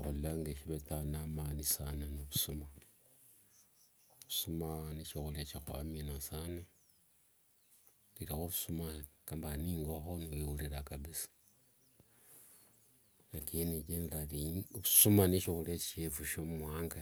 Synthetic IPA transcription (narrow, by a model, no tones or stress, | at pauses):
xulilaŋɡeʃiβetanamanisananoβusuma | βusumaniʃixuljat͡ʃixwa̰minasane | liɾixoβusumakambaniːŋɡoxoniwewuliɾakaβisḁ | nakinikendeɾaliβusumaniʃixuljat͡ʃefuʃomwaːŋɡa